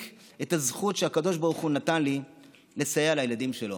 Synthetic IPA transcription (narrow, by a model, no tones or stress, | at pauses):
etazχutʃeakado̞ʃbaʁuχunatanli | le̞sajealajeladimʃe̞lo